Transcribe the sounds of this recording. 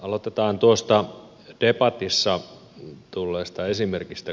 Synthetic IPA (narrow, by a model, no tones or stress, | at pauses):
ɑlot̪et̪ɑːnt̪uost̪ɑ | d̥epɑt̪isːɑ | t̪ulːeːst̪ɑesimerkist̪æ